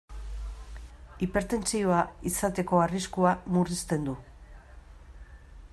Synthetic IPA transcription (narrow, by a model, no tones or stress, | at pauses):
ipe̞ɾt̪e̞nt͡sio̞aisat̪e̞ko̞ariskuamurist̪e̞nd̪u